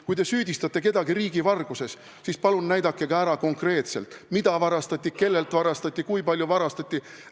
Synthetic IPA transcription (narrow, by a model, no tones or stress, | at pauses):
kujt̪esyːd̪ʲist̪ɑt̪ːˑe̞ke̞d̪ɑɡ̥iɾiːɡ̥ivɑrɡ̥use̞s | sispɑlunnæjd̪ɑkːˑe̞ɡ̥ɑæɾɑko̞ŋkre̞ːt̪se̞lt̪ˑmid̪̥ɑvɑɾɑst̪ɑt̪ʲːˑike̞lːe̞lt̪ˑvɑɾɑst̪ɑt̪ʲːˑikujpɑlʲjuvɑɾɑst̪ɑt̪ʲːi